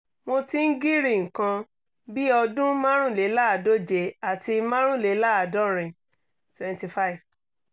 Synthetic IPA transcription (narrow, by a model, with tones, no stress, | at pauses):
mo˧ti˦n̩˦ɡi˦ɾi˦˨ŋ̩˨kã˧ | bi˦ɔ˧dũ˦mã˦ɾ̃ũ˦˨le˨˦la˦a˨do˦d͡ʒe˧a˨ti˧mã˦ɾ̃ũ˦˨le˨˦la˦a˨dɔ˦ɾ̃ĩ˨ | twɛ̃˨nti˧˨fa˦i˨v